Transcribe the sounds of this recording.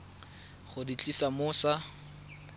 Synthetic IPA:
χʊdit͡ɬʼisamʊːsa

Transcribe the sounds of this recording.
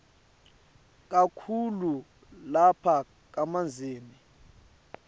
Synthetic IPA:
k̬akʰulu | lapʰa | k̬amand͡zʱeːni

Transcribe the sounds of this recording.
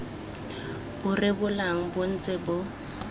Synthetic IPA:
bʊrɪbʊlaŋ̩bʊn̩t͡sʼɪbʊ

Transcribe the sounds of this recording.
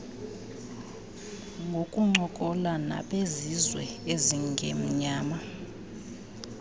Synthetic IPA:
ŋɡʱokʼuŋ͡ǃɔkʼɔlana̰ɓʼezizwɛeziŋɡʱem̩ɲaːma

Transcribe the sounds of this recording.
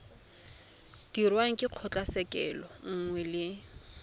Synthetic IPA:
d̥irwaŋ̩kʼɪq͡χʰɔt͡ɬʼasɛkʼɛ̰lɔŋ̩ŋwɛlɪ

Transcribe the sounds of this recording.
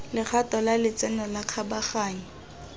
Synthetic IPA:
lɪχʰatʼɔlalɪt͡sɛnɔlaq͡χʰabaχaːɲi

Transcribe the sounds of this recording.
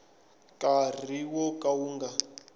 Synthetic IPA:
kʼar̤iwɔkʼauːŋɡa

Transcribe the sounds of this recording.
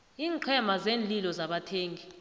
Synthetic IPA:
iːŋǃʰɛmazeːnd͡ɮilɔzaɓatʰeːŋɡi

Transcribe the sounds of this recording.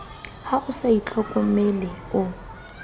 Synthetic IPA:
haɣʊsait͡ɬʼɔkʼɔmelɪ | ʊ

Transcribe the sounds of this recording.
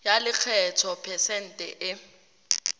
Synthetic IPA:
jalɪk͡xʰɛtʰɔpʰɛsɛn̩tʼɛʔɪ

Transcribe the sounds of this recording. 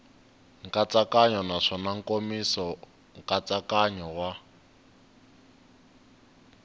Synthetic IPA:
ŋkat͡sakaɲɔnaʂɔnaŋ̩komisɔ | ŋkʼat͡sakaɲɔwa

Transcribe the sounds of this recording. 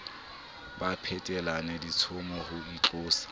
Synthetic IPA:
bapʰɛtʼɛlanɛdit͡sʰʊmɔhʊit͡ɬʊːsi̥

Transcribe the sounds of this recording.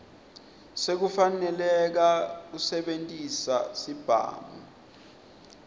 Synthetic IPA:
sek̬ufanɛlɛk̬ak̬usɛɓentʼisasib̥ʱa̰ːmɔ̰

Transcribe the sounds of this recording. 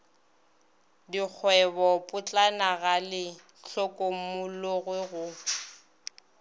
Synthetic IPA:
dik͡xʰwɛbɔpʼʊt͡ɬʼanaɣalɪ | ɬʰɔkʼomʊloɣwɪɣʊ

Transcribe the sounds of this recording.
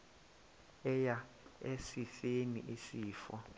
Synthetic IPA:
ɛja | esifenḭʔisiːfɔ

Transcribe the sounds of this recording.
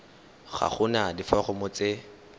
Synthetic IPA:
χa̰χʊnadifɔχʊmʊt͡sɪ

